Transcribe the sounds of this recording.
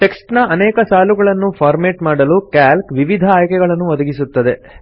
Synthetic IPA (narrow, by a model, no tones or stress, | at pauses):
ʈe̞ksʈnɐɐnɛːkɐsaːluɡɐɭɐnːupʰaːɾmeːʈmaːɽɐlukæːlkʋiʋid̪ʱɐaːjkɛɡɐɭɐnːuʋɐd̪ɐɡisut̪ːɐd̪e̞